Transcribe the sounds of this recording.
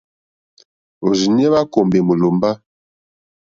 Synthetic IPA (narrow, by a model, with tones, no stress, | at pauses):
o˨zi˨ɲ˦ɛ˦βa˦ko˨mbe˨mu˨lo˨mba˦